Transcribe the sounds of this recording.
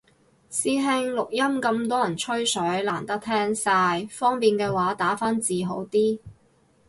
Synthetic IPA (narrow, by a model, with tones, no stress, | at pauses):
siː˧ɦɪ˧ŋlʊ˨k̚jɐ˥mkɐ˧mt̪ɔː˥jɐ˨˩nt͡ʃʰɵ˥ɥsɵ˨˥ɥlaː˨˩nt̪ɐ˥k̚t̪ʰɛː˥ŋsaː˧jfɔː˥ŋpiː˨nkɛː˧waː˨˥t̪aː˨˥faː˥nt͡siː˨ɦo˨˥wt̪iː˥